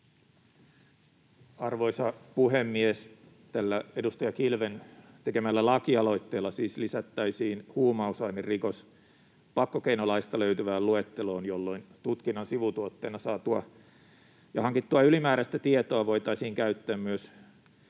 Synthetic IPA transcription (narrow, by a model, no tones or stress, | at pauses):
ɑrʋo̞isɑpuɦemːies | t̪ælːæedust̪ɑjɑkilʋent̪ekemælːælɑkiɑlo̞it̪ːeːlːɑsiːslisæt̪ːæisiːnhuːmɑusɑinerrikos | pɑkːokeinolɑist̪ɑløyt̪yʋæːluet̪ːelo̞ːnjolːo̞int̪ut̪kinːɑnsiʋut̪uot̪ːeːnɑsɑːt̪uɑ | jɑhɑŋkit̪ːuɑylimæːɾæst̪æt̪iet̪oɑʋo̞jt̪ɑisiːŋkæyt̪ːæːmmyøs